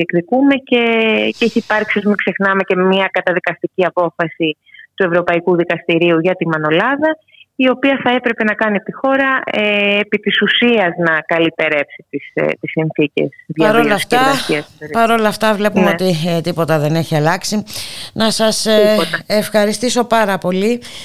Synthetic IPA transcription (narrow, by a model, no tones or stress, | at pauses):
ekɾikume̞ce̞ceiçipɐɾçissumikse̞xnɐme̞ce̞miɐkɐt̪ɐðikɐst̪iciɐpo̞fɐsi | t̪ue̞vɾo̞pɐikuðikɐst̪iɾiuʝɐt̪imɐno̞lɐðɐ | io̞piɐθɐe̞pɾe̞pe̞nɐkɐniept̪ixo̞ɾɐeːpit̪isusiɐznɐkɐlip̪e̞ɾe̞psi̥t̪ist̪isːinθice̞̰sðpɐðɾo̞lɐft̪ɐiɐspɐɾo̞lɐft̪ɐvle̞pumeot̪it̪ipo̞t̪ɐðe̞ne̞çiɐlɐksinɐsɐs | efxɐɾist̪iso̞pɐɾɐpo̞li